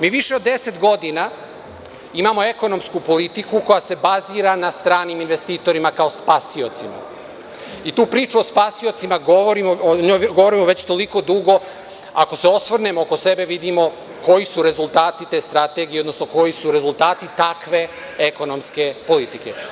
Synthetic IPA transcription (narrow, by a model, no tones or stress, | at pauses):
miːʋiʃe̞od̪ːe̞se̞t̪ɡo̞d̪ina | imamo̞e̞ko̞no̞mskupo̞lit̪ikuko̞jase̞baziːɾanast̪ɾaːniminʋe̞st̪iːt̪o̞ɾimakao̞spasio̞t̪sima̰ | it̪uːpɾiːt͡ʃuospasio̞t̪simaɡoʋoɾimoɲoːjɡoʋo̞ɾimoʋet͡ɕt̪o̞liko̞d̪uɡo̞ | ako̞se̞o̞sʋrne̞mooko̞se̞be̞ʋid̪imo̞ | ko̞jisuɾe̞zulˠt̪aːt̪it̪e̞st̪ɾat̪e̞ɡieod̪no̞snoko̞jisuɾe̞zulˠt̪aːt̪it̪akʋe̞ | eko̞no̞mske̞po̞lit̪ike̞̰